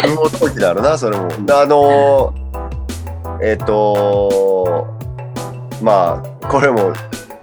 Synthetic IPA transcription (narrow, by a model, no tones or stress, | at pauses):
ioːt̪oːkʲid̪aɾɯnas̬o̞ɾe̞moano̞ | e̞t̪ːo̞ | maː | ko̞ɾe̞mo̞